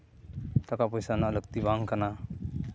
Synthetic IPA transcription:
t̪akapɔjsanaʔləɡ̚t̪ibaŋkana

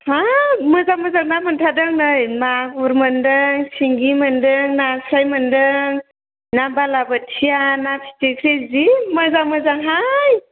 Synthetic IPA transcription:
hamɯzaməzaŋnaməntʰadɯŋnɯjmaɡuɾməndɯŋsiŋɡimɯndɯŋnasajməndɯŋ | nabalabətʰijanapʰi̥tikʰɾeziməzaŋmɯzaŋɦaj

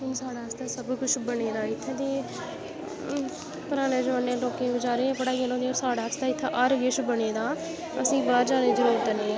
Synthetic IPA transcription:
ʊnsaːɽaːst̪aːsəbkʊt͡ʃʰbəɽeːd̪aːɪt̪ʰːẽːt̪eː | pəɾaːnẽːd͡ʒəʋaːnːẽːloːkeːbɪd͡ʒaːɾeːẽːpəɽaːielõːd̪eːoːɾsaːɽaːst̪aːɪt̪ʰːaʔəɾɡɪʃbəɽeːd̪aː | əsĩːbaːɾd͡ʒaːnẽːd͡ʒəɾuːɾt̪əneː

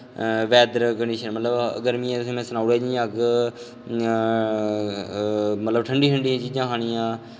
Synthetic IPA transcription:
ʋɛːd̪ɾkəɳɖiːʃənmət̪ləbə̰ɡəɾmiãːt̪sĩːmɛ̃ːsənaːɽɛːd͡ʒĩãːk | mət̪ləbʈʰəɳɖiːɦəɳɖiãːt͡ʃiːd͡ʒãːɦaːñiːãː

